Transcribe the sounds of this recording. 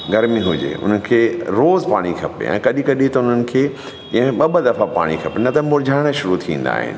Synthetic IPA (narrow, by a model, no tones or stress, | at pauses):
ɡɐɾmĩɦʊd͡ʑḛʔʊ̰n̤ənɪ̆kʰeːɾoːzpaːɽ̃ikʰɐpḛɛ̰̃ːkɐɗĩkɐɗit̪ɐʊn̤ənɪ̆kʰeː | kɐ̃ɦɓɐɓəd̪ɐfapa̰ːɽ̃ikʰɐpenɐt̪ɐmʊɾd͡ʑʱaːɪɽ̃ə̆ʃʊɾut̪ʰĩːn̆d̪a̰ːɦɪ̰nɪ̆